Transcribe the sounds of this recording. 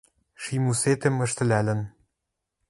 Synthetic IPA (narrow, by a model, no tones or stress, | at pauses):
ʃimuset̪ɘ̆mɘ̆ʃt̪ɘ̆lælɘ̆n